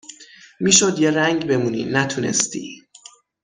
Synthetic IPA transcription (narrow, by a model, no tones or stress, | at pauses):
miːʃod̪jeræŋɟbe̞muːnḭnæt̪ʰunḛst̪ḭ